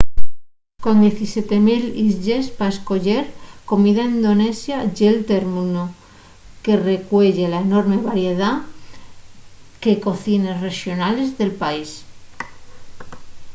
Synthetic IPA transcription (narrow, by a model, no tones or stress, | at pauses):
ko̞nd̪je̞θisjet̪e̞milisʝespaesko̞ʎeɾko̞miðaind̪o̞ne̞sjaʝelt̪eɾmuno | ke̞re̞kwe̞ʝelaeno̞ɾmeβaɾjeð̞a | ke̞ko̞θinesre̞xjo̞nale̞zðe̞lpais